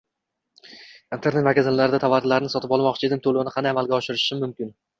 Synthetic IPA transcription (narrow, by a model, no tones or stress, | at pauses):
int̪ʰe̞ɾnet̪makʲazanlaɾɪd̪at̪ʰavaɾt̪ʰlaɾɪnɪsɒt̪ʰɪpɒlˠmɒqt͡ʃʰɪd̪ɪŋt̪ʰolˠonɪqʰɑnd̪ajamalˠɡʲaɒʃɪɾɪʃɪmʊmkʲɪn